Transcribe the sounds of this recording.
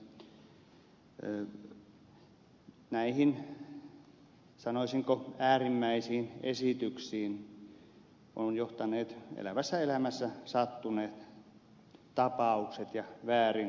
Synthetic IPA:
næihin | sɑnoisiŋkoæːrimːæisiːnḛsit̪yksiːn | onjoht̪ɑneːt̪ḛlæʋæsːæelæmæsːæsɑt̪ːuneːt̪ | t̪ɑpɑukset̪jɑʋæːrin

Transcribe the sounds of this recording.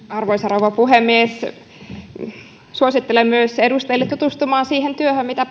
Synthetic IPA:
ɑrʋoisɑroʋɑpuhemːies | suosit̪ːelemːyøsedust̪eilːet̪ut̪ust̪umɑːnsiːhent̪yøhømmit̪æ

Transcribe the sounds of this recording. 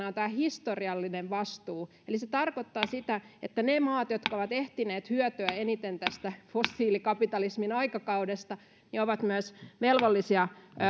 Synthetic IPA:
ɑont̪æːhist̪oriɑlːineʋʋɑst̪uː | eliset̪ɑrkot̪ːɑːsit̪æet̪ːænemɑːt̪jot̪kɑoʋɑt̪eht̪ineːt̪hyœt̪øæenit̪ent̪æst̪æfosːiːlikɑpit̪ɑlisminɑikɑkɑudest̪ɑ | nioʋɑt̪myøsʋelʋolːisiɑ

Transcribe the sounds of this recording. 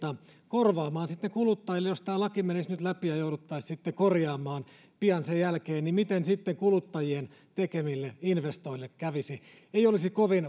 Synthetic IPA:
t̪ɑkorʋɑːmɑːnsit̪ːekulut̪ːɑjilːejost̪æːlɑkimenisnyt̪læpijɑjouɾut̪ːɑissit̪ːekorjɑːmɑːn | piɑnsejjælkeːnnimit̪ensit̪ːeŋkulut̪ːɑjien | t̪ekemilːeinʋest̪oilːekkæʋisi | eijolisikoʋin

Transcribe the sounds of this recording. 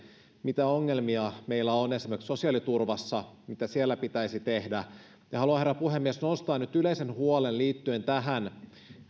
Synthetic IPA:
mit̪æoŋːe̞lmiɑme̞ilːæone̞simekso̞siɑːlit̪urʋɑsːɑmit̪æsielːæpit̪æisit̪ehdæ | jɑhɑluɑherːæpuhe̞mːiesnost̪ɑːnːyt̪yle̞ise̞nɦuole̞nliːt̪ːye̞nt̪æɦæn

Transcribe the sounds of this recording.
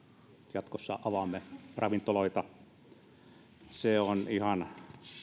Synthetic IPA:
jɑt̪kosːɑ̰ʔɑʋɑmːerɑʋint̪ːoloit̪ɑ | seonihɑn

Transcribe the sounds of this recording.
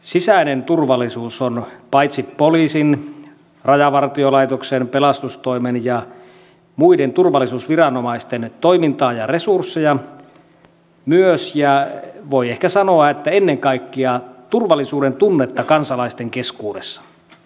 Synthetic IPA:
sisæinent̪urʋɑlːˑisuːsonpɑjt̪sipːoliːsin | rɑjɑʋɑrt̪iolɑit̪oksenpelɑst̪ust̪oimenjɑ | muident̪urʋɑlːˑisuːsʋirɑnomɑist̪ent̪oimint̪ɑːjɑresursːejɑ | myøsjɑʋo̞iehkæsɑnoɑet̪ːæenːeŋkɑikːiɑt̪urʋɑlːˑisuːdent̪unːet̪ːɑkɑnsɑlɑist̪eŋkeskuːdesːɑ̥

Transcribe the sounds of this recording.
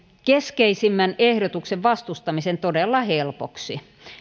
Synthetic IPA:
keskeisimːænehɾot̪ukseʋʋɑst̪ust̪ɑmisent̪odelːɑhelpoksi

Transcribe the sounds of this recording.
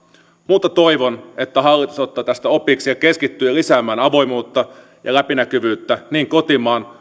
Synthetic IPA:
muːt̪ːˑɑt̪o̞jʋo̞ne̞t̪ːæɦɑlːˑit̪u̥so̞t̪ːɑːt̪æst̪æo̞pˑiːksijɑke̞skit̪ːyːjɑlisæːmæːnɑʋo̞jmuːt̪ːɑ | jɑ̰læpinækyʋyːt̪ːæniːŋko̞t̪imɑːn

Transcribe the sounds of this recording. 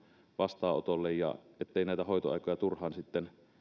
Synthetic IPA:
ʋɑst̪ɑːo̰t̪olːejjɑ̰et̪ːeinæˑit̪æhoit̪oɑ̰ˑikojɑt̪urhɑːnsit̪ːen

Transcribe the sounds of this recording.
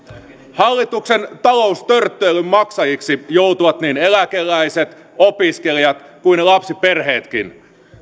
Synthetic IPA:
hɑlːit̪uksent̪ɑloust̪ørt̪ːˑøːlːømmɑksɑjiksijout̪uʋɑt̪niːnelækelːˑæiset̪ | opiskelijɑt̪kuinelɑpsiperheːt̪kḭn

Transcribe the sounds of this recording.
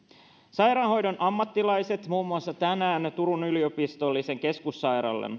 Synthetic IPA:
sɑjɾɑnho̞jdonʔɑmːɑt̪ːilɑjse̞t̪muːmːuɑsːɑt̪ænæːnt̪uɾunyliopist̪o̞lːise̞ŋke̞skusːɑjɾɑ̰lːḛn

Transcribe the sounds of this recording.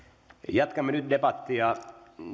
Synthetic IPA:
jɑt̪kɑmːenyt̪̚depɑt̪ːiɑ

